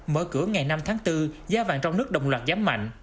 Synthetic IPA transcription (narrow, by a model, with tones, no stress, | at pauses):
məː˧˩kɨ˧˩əŋa˨˩jna˧mt̪ʰaː˨˦ŋt̪ɨ˧zaː˧va̰ː˧˨ŋt͡ɕɔ˧wŋ͡mnɨ˦˥ək̚ɗə̰˨˩wŋ͡mlwaː˨˩t̚zaː˨˦mːa̰˧˨ŋ̟